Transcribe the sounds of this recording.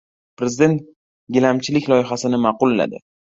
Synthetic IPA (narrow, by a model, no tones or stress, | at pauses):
pɾe̞zɪd̪e̞nt̪ | ɡʲɪlamt͡ʃʰɪlɪkʲlˠɒjɪɦasɪnɪmɑqʊlːa̰d̪ɪ̰